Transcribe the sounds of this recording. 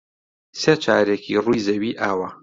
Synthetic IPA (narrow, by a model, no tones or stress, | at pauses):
seːt͡ʃʰaːɾekʰirujzɐwiːʔaːwɐ